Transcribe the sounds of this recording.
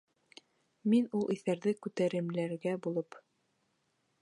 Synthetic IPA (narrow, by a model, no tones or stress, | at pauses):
minulˠʔiθæɾðɘkʉt̪æɾɘ̆mlæɾɡæbulˠɤp